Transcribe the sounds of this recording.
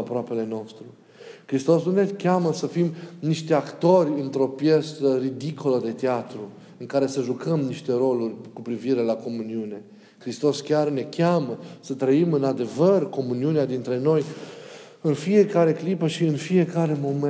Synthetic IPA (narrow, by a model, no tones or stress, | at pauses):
pɾoape̞le̞no̞st̪ɾu | kɾist̪o̞snune̞kʲaməsəfimniʃt̪eakt̪o̞rʲɨnt̪ɾo̞pje̞st̪ərid̪ikoləd̪e̞t̪eat̪ɾu | ɨŋkaɾe̞səʒukəmniʃt̪e̞ɾo̞lurʲkupɾiviɾe̞lako̞muniune̞ | kɾist̪o̞skʲarne̞kʲaməsət̪ɾəimɨnad̪e̞vərko̞muniunead̪int̪ɾe̞no̞j | ɨnfije̞kaɾe̞klipəʃiɨnfije̞kaɾe̞mo̞m